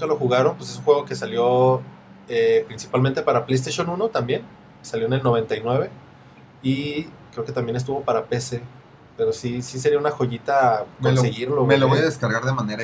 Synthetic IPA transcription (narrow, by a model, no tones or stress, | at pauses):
uŋkalo̞xuɣaɾo̞npwese̞sunxwe̞ɣ̞o̞ke̞saljo̞ | epɾinsi̥palmẽnt̪e̞paɾaple̞jst̪eʃjo̞nũno̞t̪ambje̞n | saljoenelno̞β̞e̞nt̪ajnwe̞βe̞ | ikɾeoket̪ambje̞nes̬t̪uβo̞paɾape̞se̞ | pe̞ɾo̞sisis̬e̞ɾiaunaxo̞ʝit̪akonseɣiɾlomeloβojaðeskaɾɣaɾðemãneɾa